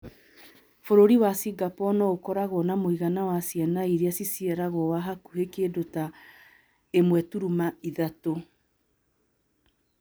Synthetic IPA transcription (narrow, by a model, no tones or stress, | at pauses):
foɾoɾiwasiɡapɔnɔokɔɾaɣɔnamoiɣanawasjɛnaiɾeasisiɛɾaɣɔwaɦakuhekedota | emwɛtuɾumaiðato